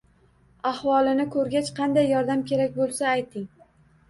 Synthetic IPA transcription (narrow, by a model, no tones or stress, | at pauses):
ahvɒlˠɪnɪkʰɵɾɡʲat͡ʃqʰɑnd̪ajːɒɾd̪amkʲʰe̞ɾakʲbolˠsaːjt̪ʰɪŋ